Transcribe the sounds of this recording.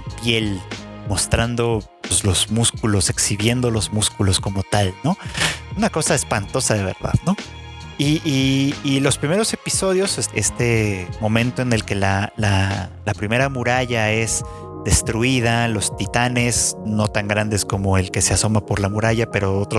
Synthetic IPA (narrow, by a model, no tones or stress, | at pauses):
pje̞lmo̞st̪ɾand̪o̞ | pezlo̞z̥muskulo̞se̞ksiβje̞nd̪o̞lo̞zmuskulo̞sko̞mo̞t̪alno̞unako̞saespant̪o̞saðe̞β̞e̞̰ɾða̰ðno̞ | iiːlo̞spɾime̞ɾo̞se̞piso̞ðjo̞sest̪e̞mõ̞mẽnt̪o̞e̞ne̞lke̞lalalapɾime̞ɾamuɾaʝae̞z | ðe̞st̪ɾuið̞alo̞st̪it̪ane̞zno̞t̪aŋɡɾand̪e̞sko̞mo̞e̞lke̞seaso̞mapo̞ɾlamuɾaʝape̞ɾo̞ot̪ɾo